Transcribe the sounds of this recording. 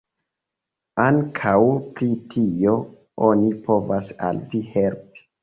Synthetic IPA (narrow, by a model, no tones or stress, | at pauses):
aŋkʰawpɾitʰio̞ | onipʰo̞vasa̰lvihe̞lpi̥